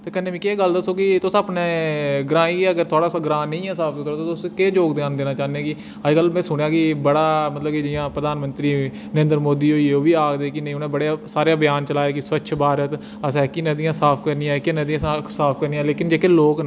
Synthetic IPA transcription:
t̪eːkənːẽːʋĩːkeːɡəld̪əsoːkɪt̪ʊsapneːɡɾaːiːɛːəɡəɾt̪ʰʊaːɽaːsɡɾãːnə̃ĩːɛːsaːpʰːkəɾot̪oːt̪ʊskeːd͡ʒoːkd̪eaːnd̪eːnaːt͡ʃaːnãːkɪ | əd͡ʒɡəlmɛ̃ːsʊɳ̃jaːkɪbəɽaːmət̪ləb̚kɪd͡ʒɪjãːpɾəd̪aːnmə̃nt̪ɾiː | nəɾẽːnd̪əɾmoːd̪iːoːiːoːʋiːaːkd̪eːkɪnə̃ĩːʊnẽːbəɽejasaːɾejaːbɪjaːnt͡ʃəlaːeːkɪsʋətːʃʰbaːɾət̪ | əsɛːkinəd̪ijãːsaːpʰkəɾniːãkɪnəd̪ijãːssaːpʰkəɾniːãːleːkɪnd͡ʒeːkeːloːk

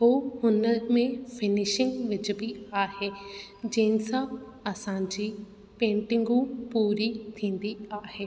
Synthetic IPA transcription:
ɦoːhʊnəɾmẽːpʰɪnɪʃɪ̃ŋɡʋɪt͡ʃbiːaːheːd͡ʒeːnsaːəsãːd͡ʒiː | pẽːɳʈɪ̃ŋɡũːpuːɾiːt̪ʰĩːnd̪iːaːɦeː

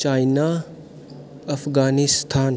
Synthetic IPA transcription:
t͡ʃaːjna | ɐfʰɡaːnist̪ʰaːn

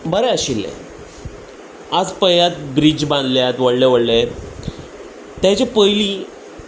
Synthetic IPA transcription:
bəɾɛəɕilːḛ | ad͡zpəjjat̪̚bɾid͡ʑbãnd̪ljat̪ʋəɽleʋəɽle | t̪jãt͡ɕapəjliː

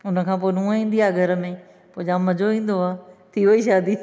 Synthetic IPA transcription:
ʊnə̆kʰãːpoːnũːĩːn̆d̪iaːɡʱɐɾə̆mẽ | poːd͡ʑãːmɐd͡ʑoʋĩːn̆d̪oaːt̪ʰiʋoiʃaːd̪i

